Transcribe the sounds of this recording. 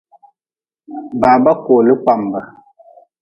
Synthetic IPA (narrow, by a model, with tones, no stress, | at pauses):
ba˨ba˦ko˨lə˦k͡pa˨m˨bə˨